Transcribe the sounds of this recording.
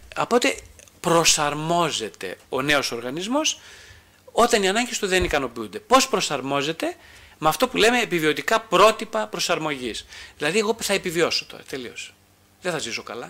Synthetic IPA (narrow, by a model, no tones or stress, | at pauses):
ɐpo̞t̪e̞pɾo̞sɐɾmo̞ze̞t̪e̞̰o̞ne̞o̞so̞ɾɣɐnizmo̞s | o̞t̪ɐniɐnɐɲɟest̪uðenikɐno̞piund̪e̞po̞spɾo̞sɐɾmo̞ze̞t̪e̞mɐft̪o̞pule̞me̞ːpivio̞t̪ikɐpɾo̞t̪ipɐpɾo̞sɐɾmo̞ʝisðilɐðie̞ɣoθɐepivio̞so̥t̪o̞̰ɾɐ̰t̪e̞lio̞s | ðeθɐziso̞kɐlɐ